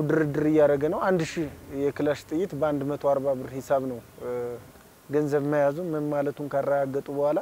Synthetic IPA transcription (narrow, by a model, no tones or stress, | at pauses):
d̪ɨɾɨd̪ːɨɾɨjːaɾəɡənəwand̪ʃihjɛkɨlaʃt̪ʼɨjːɪt̪bəand̪mət̪ʰo̞aɾbabɨɾhɪsaβnəw | ɡənzəβməjazunmɨnmalət̪ʰumkʰarːəɡaɡːət̪ʼubəhʷala